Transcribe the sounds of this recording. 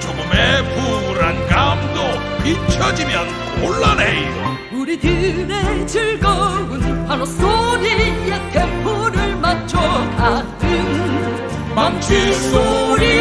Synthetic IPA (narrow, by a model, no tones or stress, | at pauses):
t͡ɕoɡumepuɾankamdo | pit͡ɕʰʌd͡ʑimjʌn | oɭːaneio | uɾit̪ɯnent͡ɕɯɭɡʌɡɯnhaɾosoɾiet̪ʰepʰuɾɯɭmat͡ɕʰʌka | dɯn | mant͡ɕʰisoɾi